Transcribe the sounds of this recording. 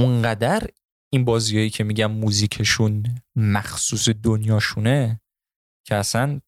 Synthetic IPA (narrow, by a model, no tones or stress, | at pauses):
uŋɢæd̪æɾ | inbɒːzijɒːjiːcʰe̞miːɟænmuːziːcʰe̞ʃunmæxsuːse̞d̪onjɒːʃune̞ | cʰeæsæn